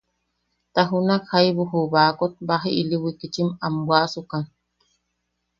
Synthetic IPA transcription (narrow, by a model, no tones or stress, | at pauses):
t̪aɦunakhajβuɦuβaːkot̪̚baɦiʔiliwikit͡ʃimambwasukan